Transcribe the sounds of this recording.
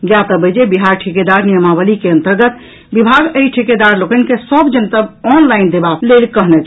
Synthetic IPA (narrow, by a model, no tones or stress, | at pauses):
ɡjat̪əbəd͡ʒebiɦaɾʈʰiked̪aɾnijəmabəlikeə̃nt̪əɾɡət̪ | bibʱaɡəiʈʰiked̪aɾlokənkesəbd͡ʒənt̪əbɔnlaɪind̪ebalelkəɦnɛt͡ʃʰ